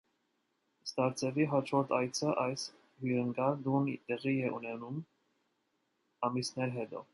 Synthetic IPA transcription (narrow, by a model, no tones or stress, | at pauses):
st̪ɑɾt͡sʰɛviɦɑt͡ʃʰvɔɾt̪ʰɑjt͡sʰəʔɑjs | hyɾəŋɡɑɾd̪unt̪ɛʁiɛʔunɛnum | ɑmisnɛɾɦɛt̪ɔ̰